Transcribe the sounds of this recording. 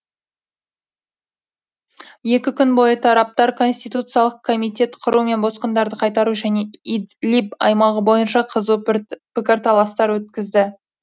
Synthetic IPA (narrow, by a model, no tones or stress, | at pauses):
je̞kʲɪkʲʰʏnbo̞jət̪ʰɑɾɑp̚t̪ɑɾkʰo̞nsʲt̪ijt̪ut̪sɨjɑlˠəq̚kʰo̞mijt̪ʲe̞t̪qʰʊɾume̞nbo̞sqənd̪ɑɾd̪əqʰɑjt̪ɑɾuʒæne̞id̪lʲipɑ̰jmɑʁəbo̞jənʃɑqʰəzupɪkʲɪɾt̪ʰɑlˠɑst̪ɑɾwɵt̪̚kʲɪzd̪ɪ